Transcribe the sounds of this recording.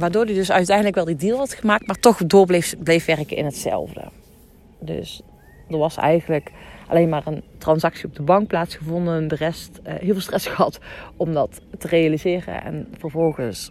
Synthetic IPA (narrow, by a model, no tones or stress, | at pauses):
ʋaːɹdoːɹdidɵsœɥtɛjndələkʋɛlˠdidiːlˠɦɑtχəmaːk̚tmaːɹtɔχdoːɹblefblejfʋɛrkənɪ̰nɦətsɛ̰lˠvdə̰ | dɵ̰s | dəɹʋɑsɛ̰jɣənləkʔɑ̰lejnmaːrəntrɑnsɑksiɔb̚dəbɑŋk̚plaːtsχəvɔndəndərɛstɦɪːlvɪlˠstrɛsxəɦɑtɔmdɑtːərejalizɪːrə̰nɛ̰nv̥əɹvɔlˠɣəns